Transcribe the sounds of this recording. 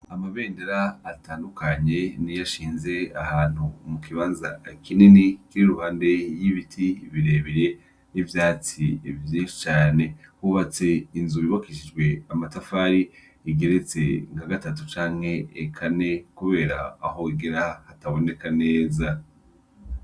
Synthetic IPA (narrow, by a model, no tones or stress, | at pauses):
amaβe̞ːndeɾaːtaːndukʰaɲe̞nijaʃiːnze̞ahaːn̥humukʰiβaːnza̰kininikiɾiɾuhaːnde̞jiβitʰiβiɾe̞ːβiɾe̞ | nivjaːt͡siivjiːnʃi̥t͡ʃaːne̞huβat͡se̞inzuβiβakiʃid͡ʒɡwe̞amatafaːɾi | iɡe̞ɾet͡se̞̰ŋɡaɡatat̬ut͡ʃaːŋhe̞ːkʰane̞kuβe̞ːɾa̰ːɦo̞iɡeɾahataβo̞ne̞kane̞ːza